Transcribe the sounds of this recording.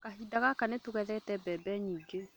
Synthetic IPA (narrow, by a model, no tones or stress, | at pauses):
kaɦidaɣakanetoɣɛðɛtɛbɛbɛɲiːŋɡe